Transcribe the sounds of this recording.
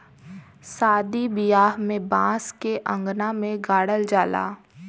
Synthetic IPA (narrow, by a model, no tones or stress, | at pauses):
saːd̪ibɪjaːɦmẽbãːskeʔə̃ŋɡnamẽɡaːɽəld͡ʒaːla̰ː